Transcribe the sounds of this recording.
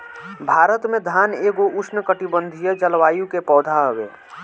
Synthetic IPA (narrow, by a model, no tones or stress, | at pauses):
bʱaːɾət̪mẽd̪ʱaːneːɡoʔʊsʰnəkəʈibə̃nd̪ʱijəd͡ʒəlʋaːjũkepɔːd̪ʱaɦwḛː